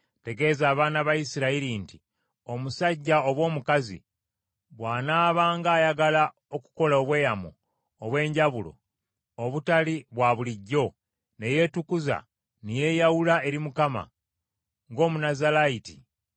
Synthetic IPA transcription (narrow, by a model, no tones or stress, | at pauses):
te̞ɡe̞zaːβaːnaβajisiɾaiɾinti | o̞musaɟːaoβwo̞ːmukazḭ | βwaːnaːβaːŋɡaːjaɡala | oku̥ko̞laoβwe̞ːjamo̰ː | βwe̞ːɲɟaβulo̞̰ | oβutaliβwaβuliɟːo̞ | ne̞je̞tukuza̰ | nije̞jawulae̞ɾimukama̰ | ŋɡo̞ːmunazalaitḭ